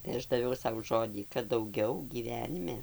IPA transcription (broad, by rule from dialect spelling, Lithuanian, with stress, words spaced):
tɐɪ ˈɐʃ dɐˈʋʲɛʊ ˈsɐʊ ˈʒoːdʲiː kɐt dɐʊˈɡʲɛʊ ɡʲiːˈʋʲæːnʲɪmʲɛ